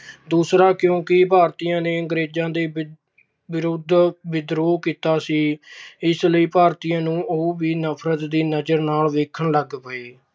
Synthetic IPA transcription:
d̪uːsɾaːkjõːkɪpaːɾt̪iːjãːneːəŋɡɾeːd͡ʒãːd̪eː | ʋɪɾʊd̪ʋɪd̪ɾoːkiːt̪aːsiːɪsləiːpaːɾt̪iːjãːnũːʔoːʋiːnəpʰɾət̪d̪iːnəd͡ʒəɾnaːlʋeːkʰəɳləɡpəeː

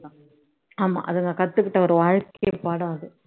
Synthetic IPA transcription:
aːma̰ːʔɐðɯŋɡɐkɐt̪ːɯkːɪʈːɐɔɾɯʋaːɻkejɐpaːɽɐ̃ːɐðɯ

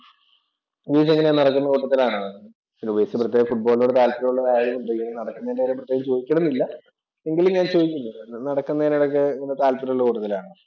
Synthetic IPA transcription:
ʋeːs̬eŋːɐnenɐɽɐkːunːɐkuːʈːɐt̪ːilaːɳɐ | t͡ɕilubeːsɐprɐt̪ːeːɣɐmfuʈ̚bo̞ːloːɽet̪aːlpɐɾuɭːɐaːɽimuɳɖɨiɐɐnɐɽɐkːunɐndeɐɾɐmprɐt̪ːeːɣɐmt͡ɕo̞ːðikʲːɐɽunːilːɐ | e̞ŋɡilumɲaːnt͡ɕo̞ːðikʲːunːɐðɨnɐɽɐkːunːɐenɐɽok̬ːeeŋːɐnet̪aːlpɐɾuɭːɐkuːʈːɐt̪ːilaːɳɨ

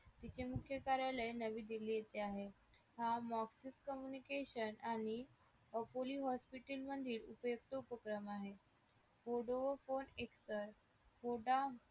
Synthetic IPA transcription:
t̪it͡ɕemukʰjəkaɾjaləjnəʋiːd̪ilijet̪eaɦe | hamɔksiskəmjunikeɕənaɽ̃i | əpoliːɦɔspiʈilməd̪ʱiːlupəjuk̚t̪əupəkɾəmaɦe | foɽoʋəfoneksəɾ | foɽa

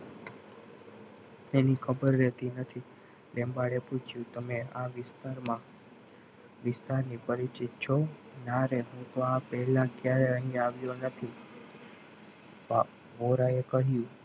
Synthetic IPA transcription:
enikʰəbəɾːɛt̪inət̪ʰi | lembaɽeput͡ʃʰjũt̪əmeaʋɪst̪aɾmã | ʋɪst̪aɾnipəɾit͡ʃɪt̪̚t͡ʃʰo | naɾeɦũt̪oapɛɦlãkjaɾeəɦĩaʋjonət̪ʰi | pa | ʋoɾaekəɦjũ

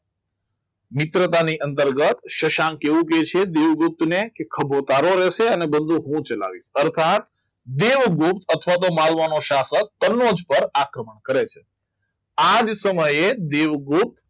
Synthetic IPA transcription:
mɪt̪ɾət̪aniʔənt̪əɾɡət̪ʃəʃãŋkeʋũket͡ʃʰed̪eʋɡup̚t̪nekekʰəbʱot̪aɾoɾeʃeənebənd̪ʱuɦũt͡ʃəla̰ʋḭʃəɾt̪ʰat̪ | d̪eʋɡup̚t̪ʰət̪ʰʋat̪̬omalʋanoʃasək̚ːənːod͡ʒpəɾakɾəməɳkəɾet͡ʃʰe̥ | ad͡ʒsəməjed̪eʋɡup̚t̪

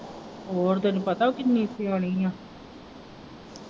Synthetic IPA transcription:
ɦoːɾt̪enũpət̪aːokɪnːiːsioːɽiːãː

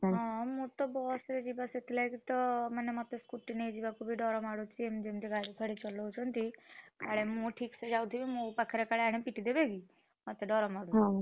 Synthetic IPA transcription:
ɦɔ̃mut̪ɔbɔsɾed͡ʒibaset̪ʰilajkit̪ɔmanemat̪eskuʈːinejd͡ʒibakʰubiɖɔɾɔmaɽut͡ʃʰiemd͡ʒemt̪iɡaɽikʰəɽit͡ʃɔlɔɦot͡ʃʰɔnt̪ikaɽemũʈʰiksed͡ʒawt̪ibimũpakʰeɾekaɭeaɽ̃epiʈid̪ebeɡi | mat̪eɖɔɾɔmaɽui

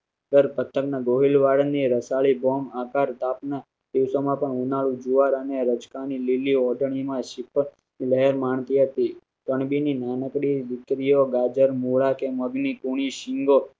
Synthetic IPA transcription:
ɡ̪əɾpət̪ʰːəknaɡoɦilʋaɾəniɾəsaɭibomakaɾt̪apna | d̪iʋsomãpəɳunaɭũd͡ʒuʋaɾəneɾəd͡ʒkanililiɔɖʱəɳ̃imãʃɪp | niləɦeɾmaɳt̪iɦət̪i | k̪əɳbininanəkɾid̪ɪt̪ɾijoɡad͡ʒəɾmuɭakeməɡnikuɳ̃iʃɪŋɡo

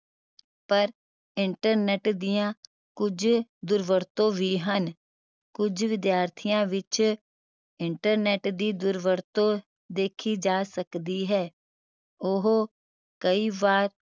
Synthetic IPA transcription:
pəɾ | ɪɳʈəɾnɛːʈd̪ɪjãː | kʊd͡ʒd̪ʊɾʋəɾt̪õːʋiːɦən | kʊd͡ʒʋɪd̪jaːɾt̪ʰijãːʋɪt͡ʃ | ɪɳʈəɾnɛːʈd̪iːd̪ʊɾʋəɾt̪õː | d̪eːkʰiːd͡ʒaːsəkd̪iːɦɛː | ʊɦoː | kəiːʋaːɾ

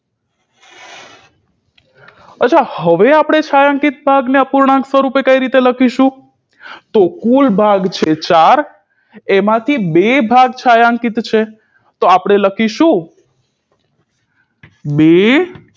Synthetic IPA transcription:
ətːt͡ʃʰahəʋeapɽ̃et͡ʃʰajãŋkit̪̚bʱaɡneəpuɾɳãksʋəɾupekəiɾit̪eləkʰiʃũ | t̪okulbʱaɡt͡ʃʰet͡ʃaɾ | emãt̪ʰibebʱaɡ̚t͡ʃʰajãŋkit̪t͡ʃʰe | t̪oapɽ̃eləkʰiʃũ | be

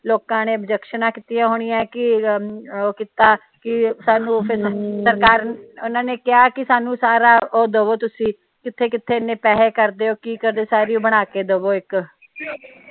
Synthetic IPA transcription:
loːkãːneːəbd͡ʒəkʃənãːkit̪ɪjãːɦoːɽijɛ̃ːkɪ | oːkiːt̪aː | kɪsaːnũːpʰɪsəɾkaːɾʊnãːneːkɪaːkɪsaːnũːsaːɾaːʔoːd̪əʋoːt̪ʊsĩː | kɪt̪ʰːeːkɪt̪ʰːeːnẽːpɛːɦeːkəɾd̪eːoːkiːkəɾd̪eːsaːɾiːoːbəɽ̃aːkeːd̪əʋoːɪk

